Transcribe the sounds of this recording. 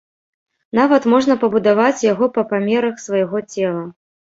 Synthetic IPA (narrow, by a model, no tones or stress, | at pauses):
n̪avɐt̪mɔʐnɐpɐbud̪avat͡sʲjaɣɔpɐpamʲɛɾɐxsvɐjɣɔt͡sʲɛlˠɐ